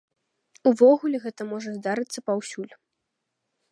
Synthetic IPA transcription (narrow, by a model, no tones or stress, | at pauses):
uvɔɣulʲɛɣɛt̪ɐmɔʐɐzd̪aɾɨt̪sːɐpawsʲulʲ